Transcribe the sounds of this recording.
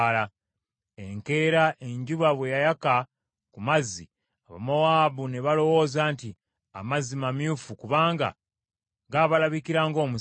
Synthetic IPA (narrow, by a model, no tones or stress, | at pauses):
la | eŋke̞ːɾaʔe̞ɲɟuβaβwe̞jajaka | kumazːi | aβa̰mowaːβuneβalo̞wo̞ːzaːnti | a̰mazimamjufukuβaːŋɡa̰ | ɡaːβalaβikiɾaːŋɡo̞ːmu